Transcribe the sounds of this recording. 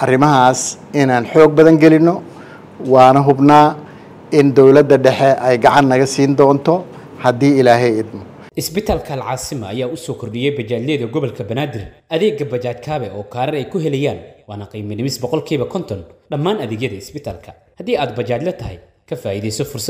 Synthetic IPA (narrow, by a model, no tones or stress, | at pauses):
ʔɐrɪmɐɦaːsɪnaːnħɔːɡ̚bɐðɐŋɡɛlɪnːɔ | wɑːnɐɦʊbnaː | ɪnd̪ɔwlɐd̪ːɐɖɛħɛɛjɡɑʕɑnːɐɣɐsiːnd̪ɔːnt̪ʰɔ | hɐd̪iːɪlaːɦɛjɪd̪mɔ | ʔɪsbɪt̪ʰaːlkʰɐɐlʕɑːsɪmɐɐjaːʊsɔːkʰʊrɖɪjɛjbɐt͡ʃaːd̪lɛːðɐɡɔβɔlkʰɐbɐnaːd̪ɪrʔɐðɛːɡɐbɐt͡ʃaːt̪kʰaːβɛʔɔːkʰaːɾɐɾɛjkʰʊɦɛlɛjaːnwɑːnɐqiːmɐnɪmɪsbɔqɔlkʰiːβɐkʰɔnt̪ʰɔnɖɐmːaːnɐðɛːɡjɐðɐɪsbɪt̪ʰa̰ːlkʰɐ | hɐd̪iːaːd̪bɐt͡ʃaːd̪lɛt̪ʰɐɦɛ̰j | kʰɐfaːʔiːðɛjsɔfʊrsɐ